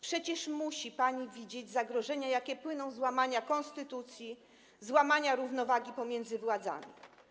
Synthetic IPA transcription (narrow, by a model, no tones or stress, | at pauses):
pʂɛt͡ɕɛʂmuɕipaɲivʲid͡ʑed͡ʑzaɡɾɔʐɛɲajakʲɛpwɘnɔ̃w̃zwamaɲakɔ̃nst̪ɘt̪ut̪sʲji | zwamaɲaɾuvnɔvaɡʲipɔmʲjɛnd̪zɘvwad̪za̰mʲḭ